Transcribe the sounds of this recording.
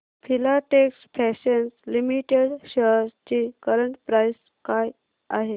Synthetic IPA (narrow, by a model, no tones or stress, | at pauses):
fʰilaʈeksfʰɛɕenslimiʈeɽɕəɾt͡ɕiːkəɾəɳʈpɾajs | kaj | aɦe